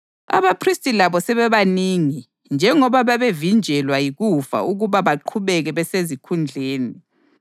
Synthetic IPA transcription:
a̰βapʰristʼilaβɔsɛβɛβaniŋi | nd͡ʒʱɛŋɔβaβaβevind͡ʒʱɛlwajiɣufa̰ʔuɣuβaβaǃʰuβɛɣɛβɛsezikʰund͡ɮʱeːni

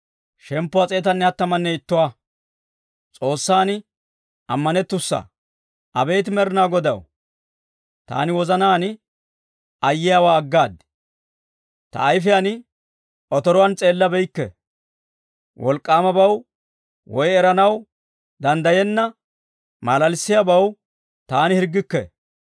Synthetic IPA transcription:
ʃɛmpːʊat͡sʼe̞ːt̪ɐnːɛɐt̪ːɐmɐnːɛɪt̪ːʊwa | t͡sʼo̞ːsːaːnɪ | ʔɐmːɐnɛt̪ːʊsːɐ̰ | ʔɐbe̞ːt̪̬ɪmɛɾɪnaːɡɔd̪ɐ̰w | t̪a̰ːnɪwɔzɐnaːnɪ | ɐjːɪjaːwaːɡːaːd̪ | t̪ɐ̰ːjfɪjanɪ | ʔɔt̪ɔɾɔwɐnt͡sʼe̞ːlːɐbɛjkːɛ̰ | wʔɔlkʼːaːmɐbɐw | wɔjɛɾɐnɐw | d̪ɐnd̪ɐjɛnːɐ | maːlɐlsːɪjabɐw | t̪aːnɪhɪɾɡːɪkːɛ̰

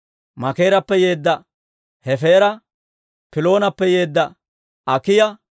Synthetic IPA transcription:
mɐke̞ːɾɐpːɛjeːd̪ːɐ | hɛfeːɾɐ | pɪlo̞ːnɐpːɛje̞ːd̪ːɐ | ɐkɪjɐ

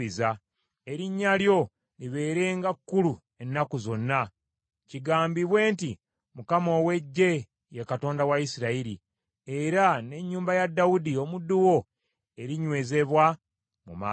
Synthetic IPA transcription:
iza | eɾiɲːaljo̞ | liβe̞ːɾe̞ːŋɡakːulu | e̞nːakuzo̞nːa | ciɡaːmbiβwe̞ːnti | mukamo̞ːwe̞ɟːe̞ | jekato̞ːndawaisiɾaiɾi | e̞ɾane̞ɲːuːmbajadːawudio̞mudːuwo̞ | e̞ɾiɲwe̞ːze̞βwa | muma̰ː

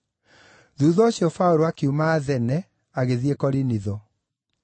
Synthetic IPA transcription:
ðuːðɔoɕjɔfaoɾoakumaːðɛnɛ | aɣeðiekɔɾiniðɔ

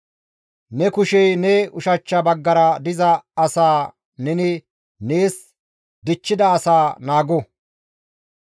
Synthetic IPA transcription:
nɛkʊʃɛjnɛʊʃɐt͡ʃːɐbɐɡːɐɾɐd̪ɪzɐɐsaː | nɛnɪ | neːs | d̪ɪt͡ʃːɪd̪ɐːsaːnaːɡɔ

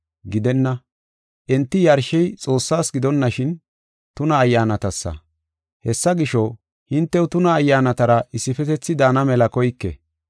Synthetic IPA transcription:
ɡɪd̪ɛnːɐ | ʔɛnt̪ːɪjɐɾʃɛjt͡sʼo̞ːsːaːsɡɪd̪ɔnːɐʃɪn | t̪ʊnɐːjːaːnɐt̪ɐsːɐ̰ | hɛsːɐɡɪʃɔ | hɪnt̪ːɛwʊt̪ʊnɐːjːaːnɐt̪ɐɾɐʔɪsːɪfɛt̪ɛt͡sːɪd̪anɐmɛlɐkɔjkːɛ̰

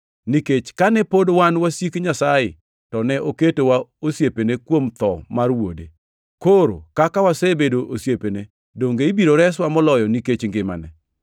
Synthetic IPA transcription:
niket͡ʃkanɛpodwanwasjikɲasajɪ̰ | tɔnɛʔoketowaosjepenekwomt̪ɔ̰marwo̰dḛ | koɾo̰kakawasebedoʔosjepene | doŋɡeibiɾoɾɛswamɔlɔjɔniket͡ʃŋɡɪma̰nɛ

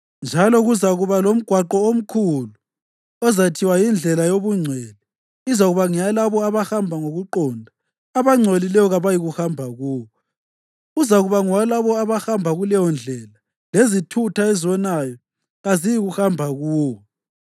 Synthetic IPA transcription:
nd͡ʒʱalɔɣuzaɣuβalom̩ɡ̥ʱwaǃɔom̩kʰulu | ɔzatʰiwajind͡ɮʱɛlajoβuŋ͡ǀʱweli | izaɣuβaŋijalaβɔaβaxambʱaŋoɣuǃɔndʱaː | βaŋ͡ǀʱelilɛjɔɣaβajiɣuxambʱaɣuːwɔ | uzaɣuβaŋwalaβɔaβaxambʱaɣulɛjɔnd͡ɮʱɛla | lezitʰutʰaeziβɔnajɔ | ɣazijiɣuhambʱaɣuːwɔ

